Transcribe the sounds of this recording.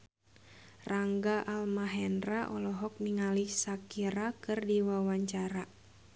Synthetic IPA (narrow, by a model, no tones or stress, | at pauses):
raŋɡaʔalmaɦɛndraʔɔlɔɦɔk̚niŋalisakiɾakɨrdiwawaɲt͡ʃaɾa